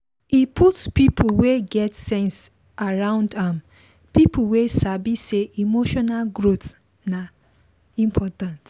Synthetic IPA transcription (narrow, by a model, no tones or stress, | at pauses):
ipʰutspipʰuweɡɛtsɛ̃ns | aɹãʊ̃ndãm | pipʰuwesabiseʔimoʃɔnalɡɾot | na | ĩmpʰɔtãnt